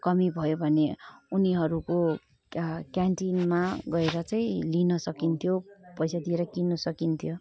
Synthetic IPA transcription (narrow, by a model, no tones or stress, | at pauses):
kʌmibʱʌjobʱʌneuniɦʌɾuko | kjaɳʈinmaɡʌeɾʌt͡saĩlinʌsʌkint̪ʰjopʌjsad̪ieɾʌkinːʌsʌkint̪ʰjo